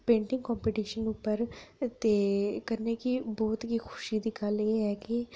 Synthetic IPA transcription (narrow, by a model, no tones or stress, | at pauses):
pẽːɳʈɪ̃ŋɡkɔ̃ːmpeːʈiːʃənʊpːəɾt̪eːkəɾneːkibɔːt̪ɦiːkʰʊ̥ʃiːd̪iːɡəleːɦɛːkɪ